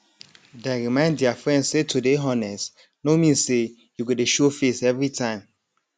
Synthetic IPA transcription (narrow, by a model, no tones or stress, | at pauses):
deɹimãɪ̃nddiafɹɛ̃ndsetʰudeɦɔnɛst | nomĩse | juɡodeʃofesɛvɹitʰãɪ̃m